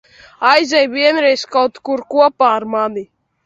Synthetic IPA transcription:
ajzʲɛjviɛnɾɛjskawt̪kuɾkuɔpaːɾmani

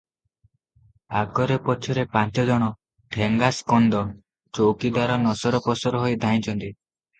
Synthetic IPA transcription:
aɡɔɾepɔt͡ʃʰɔɾepant͡ʃɔd͡ʒɔɽ̃ɔ | ʈʰeŋɡaskɔnd̪ɔ | t͡ʃowkid̪aɾɔnɔsɔɾɔpɔsɔɾɔɦojd̪ʱaɦĩt͡ʃʰɔnt̪i

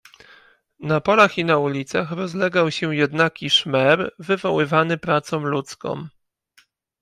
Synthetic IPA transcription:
napɔlaxinaulʲit̪saxɾɔzlɛɡawɕɛjɛd̪nakʲiʂmɛɾvɘvɔwɘvanɘpɾat̪sɔ̃mlut̪skɔ̰̃m

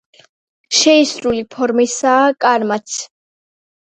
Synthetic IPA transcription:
ʃɛisɾulipʰɔɾmisaːkʼaɾmat̪sʰ

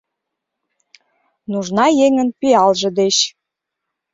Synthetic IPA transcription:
nuʒnɑjeŋə̆npiɑlʒə̆d̪eɕ

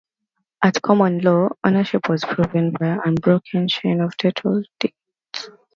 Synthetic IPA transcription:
ʔatkʰɔmə̃nlɔo̰nəʃɪpʰwɔz̥pʰɹ̥uvə̃nbaɪãnbɹokʰə̃nʃẽɪ̃nɔv̥tʰotʰəld̥e | t

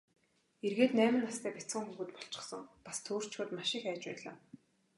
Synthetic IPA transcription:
erɣeːt̪næːmɘ̆nːast̪ʰæːpæt͡sə̆ŋxuɣuːt̪̚pɔ̥ɬt͡ɕɪ̆χsə̆ŋpḁst̪ʰoːr̥t͡ɕxʊːt̪maʃɪ̆xæːt͡ɕpæːɮa̰ː

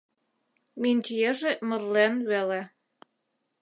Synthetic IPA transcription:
menʲt̪ʲijeʒemɤ̆rlenβele

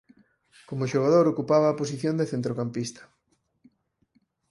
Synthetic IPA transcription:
komʊʃoɣ̞að̞oɾokupaβaːpos̬iθjõnd̪eθent̪ɾokampist̪ɐ̥

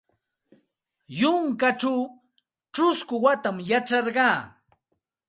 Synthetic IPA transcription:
jʊŋkaʈ͡ʂaw | ʈ͡ʂʊskʊwat̪amjaʈ͡ʂɑɾɢɑː

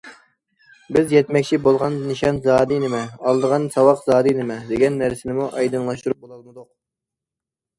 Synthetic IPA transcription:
bɪzjɛt̪mɛkʲt͡ʃʰibolˠʁɑnnɨʃɑnzɑːd̪ɨnɪmɛɑlˠd̪əʁɑnsɑwɑqzɑːd̪ɨnɪmɛd̪eɡʲɛnːæɾsɪnɪmuʔɑjd̪ɨŋlˠɑʃt̪uɾup̚bolˠɑlˠmɨd̪ʊq̚

